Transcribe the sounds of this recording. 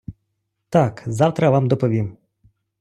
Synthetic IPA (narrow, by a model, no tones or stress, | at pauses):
t̪ɑkzɑwt̪ɾɐʋamd̪ɔpɔʋʲim